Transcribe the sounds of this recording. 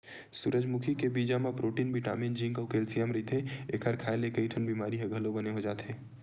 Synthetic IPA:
suɾəd͡ʒmʊkʰikebiːd͡ʒamãpɾoːʈiːnbʱiʈa̰ːmiːnd͡ʒĩŋkəʊkeːlsijɛmɾɪt̪eeːkʰəɾkʰaːelekəiʈʰənbiːmaːɾiɦeɡʱəlobəneɦod͡ʒaːt̪ɦẽː

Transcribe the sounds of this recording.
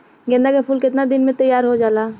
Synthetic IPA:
ɡẽnd̪akapʰuːlkɪt̪nad̪ɪnmẽt̪əjːaːɾɦod͡ʒaːlaː

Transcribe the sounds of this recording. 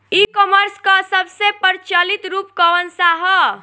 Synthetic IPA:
ikɔməɾskəsəbʱsepəɾt͡ʃəlit̪ɾupkɔʋənsaɦə

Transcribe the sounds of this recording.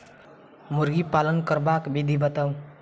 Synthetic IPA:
muɾɡipalənkəɾbakbid̪ʱibət̪aw̃

